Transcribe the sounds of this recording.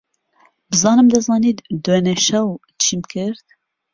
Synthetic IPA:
bɨzɑːnɨmd̪ɐzɑːniːt̪d̪weneʃɛw | t͡ʃʰiːmkʰɨɾt̪

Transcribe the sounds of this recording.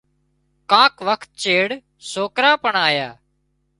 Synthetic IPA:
kãːkʋəkʰt̪̚t͡ʃeːɽ | soːkɾaːpəɳaːjaː

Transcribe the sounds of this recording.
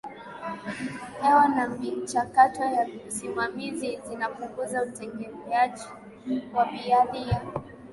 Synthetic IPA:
hɛɔnamit͡ʃakatɔjam̩simamizizinapuŋɡuzautɛŋɡɛmɛad͡ʒi | waɓialia

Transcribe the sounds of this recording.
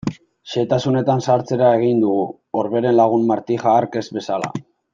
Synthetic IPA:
ʃe̞t̪asune̞t̪ansaɾt͡se̞ɾae̞ɣ̞ind̪uɣu | oɾβe̞ɾe̞nlaɣ̞unmaɾt̪ixaːɾke̞zβe̞sala̰

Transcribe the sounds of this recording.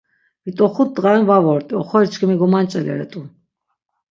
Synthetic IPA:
mit̪ʼɔχut̪̚d̪ʁanvavɔɾt̪ʼiɔχɔɛt͡ʃʰkʰimiɡɔmant͡ʃʼɛlɛ̰ɾɛ̰t̪ʼu

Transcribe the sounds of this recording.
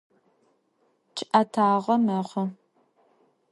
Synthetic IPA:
t͡ʃʰʼʔɐtʰaːʁɐmɐʁɐ

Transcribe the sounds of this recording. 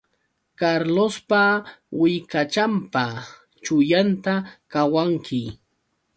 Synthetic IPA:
kaɾlospawɪkat͡ʃampa | t͡ʃʊjant̪akawaŋkʰɪ

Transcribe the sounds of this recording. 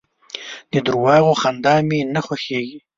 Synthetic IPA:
d̪̥əd̪ʊɾwɑːɣoxand̪ɑːmenaxwaxeɡi

